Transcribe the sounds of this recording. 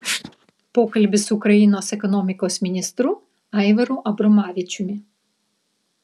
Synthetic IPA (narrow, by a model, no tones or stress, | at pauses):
pɔkɐlʲbɪsukɾɐjinɔsɛkɔnɔmʲikɔsmʲinʲist̪ɾʊ | ɛjʋeɾʊʔɐbɾɔmɑʋʲit͡ʃʲʊmʲi